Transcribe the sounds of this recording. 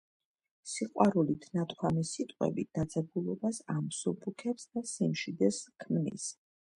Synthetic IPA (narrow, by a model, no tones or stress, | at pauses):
siqʼwaɾulit̪ʰnat̪ʰʼkʰwamisit̪ʼqʼwɛ̰bit̪̚d̪ad̪zɛɡulˠɔbasamsɔbukʰɛpsd̪asimʃid̪ɛskʰmnḭs